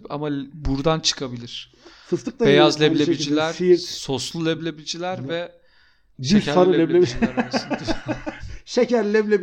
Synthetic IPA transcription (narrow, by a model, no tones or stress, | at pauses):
pʰa̰mabuɾd̪ant͡ʃʰɯ̥kʰabilʲiɾ̥ | sɯst̪ɯk̚t̪abejazlʲelʲeid͡ʒilʲæɾisoslˠulʲɛblʲebid͡ʒilʲæɾvɛ | bʃyeæɾaɾɯɛlʲeid͡ʒiaɾaɯn | ʃecʰæɾlʲɛblʲeb